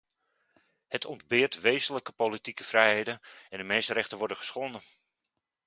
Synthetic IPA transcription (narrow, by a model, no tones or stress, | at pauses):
hətʰɔndbɪːrtʋejzənləkəpolitikəfrɛjhejdənɛndəmejstəɾɛχtənʋɔɹdəχə̥sχonə